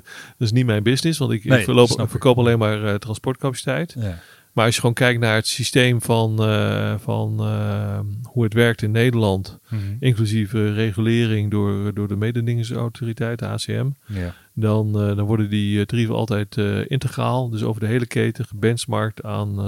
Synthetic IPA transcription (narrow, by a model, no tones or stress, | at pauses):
dtɪs̬nitmɛjnbɪsnɪsʋɑntɪkofəkowpɑlejnmaːɹtrɑnspɔɹt̚kapasi̥tɛjt | maːɹɑsjəχəʋoːnkɛjk̚tnaːɹətsistejmfɑnfɑ̰n | huətʋɛɹk̚tɪnːejdəlɑntʔɪŋklyzivəreχylɪːrɪŋdʊːɹdʊːɹdəmejdədɪŋəsa̰wtʰoritɛjtəa̰ːseɛ̰m | dɔndɔnʋɔɹdəndidrivəɑ̰lˠtɛjtɪ̰ntəχraːlˠdøso̰wvəɹdəɦejləkʰejtəəbɛnsmɑɹk̚taːn